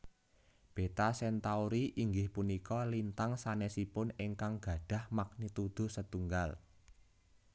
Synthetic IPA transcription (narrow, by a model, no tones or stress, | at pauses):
b̥e̤t̪asɛnt̪auɾiʔiŋɡɪhpunikɔlint̪aŋsanɛsipʊneŋkaŋɡ̥ä̤ɖ̥a̤hmak̚nit̪ud̪̥o̤sət̪uŋɡal